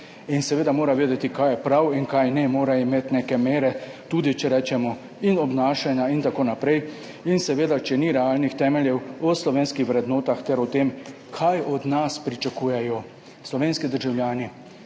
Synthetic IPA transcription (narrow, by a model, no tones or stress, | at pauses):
insɛʋeːd̪amoːɾaʋeːd̪ɛt̪ikaːjɛpɾawiŋkajnɛmoːɾaimeːt̪neːkɛmeːɾɛt̪uːd̪it͡ʃɛɾɛːt͡ʃɛmɔ | inɔbnaːʃanjaint̪akoːnapɾɛj | insɛʋeːd̪at͡ʃɛniɾɛaːlnixt̪ɛːmɛljɛwɔslɔʋeːnskixʋɾɛd̪noːt̪axt̪ɛɾɔt̪eːm | kʰajɔd̪naspɾit͡ʃakuːjɛjɔ | slɔʋeːnskid̪əɾʒawljaːni